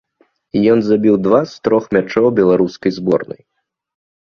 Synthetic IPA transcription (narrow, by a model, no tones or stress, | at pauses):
ijɔnzabʲiwd̪vast̪ɾɔxmʲat͡ʂɔwbʲɛlˠaɾuskɐjzbɔrnɐ̰j